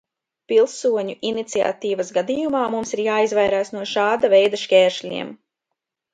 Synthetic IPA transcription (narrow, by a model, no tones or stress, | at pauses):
pilˠsuɔɲuʔinit̪sia̰t̪iːvɐsɡad̪iːjumaːmumsiɾjaːizvajɾaːsnuɔʃaːd̪avɛjd̪aʃkʲɛːɾʃlʲḭɛm